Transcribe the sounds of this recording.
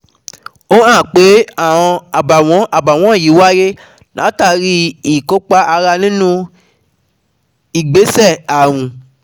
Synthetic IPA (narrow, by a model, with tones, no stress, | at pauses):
o˦ã˦˨k͡pe˨˦ã˦˨ɔ̃˧a˨ba˨w̃ɔ̃˧˦ʔa˨ba˨w̃ɔ̃˨˦˨ji˨˦wa˦je˦ | la˨˦ta˧ɾi˦i˦˨ko˦k͡pa˦ʔa˧ɾa˧nĩ˦nũ˦ | i˦˨ɡ͡be˨˦sɛ˦˨a˨ɾ̃ũ˧